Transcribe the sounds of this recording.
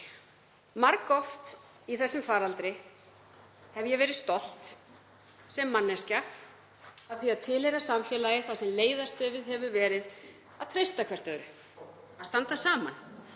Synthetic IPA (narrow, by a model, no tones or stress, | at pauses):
maɾkɔft̪ | iθɛsːʏmfaːɾalt̪ɾɪ | hɛvjɛvɛːɾɪðst̪ɔl̥t̪ | sɛmːanːɛsca | aðθiaðt̪ʰɪlɛɾasamfjɛːlajɪθasɛmleːjðast̪œːvɪðɦɛvʏvɛːɾɪð | aðt̪ʰɾejst̪akʰvɛɾ̥t̪œːɾʏ | aðst̪ant̪asaːma̰n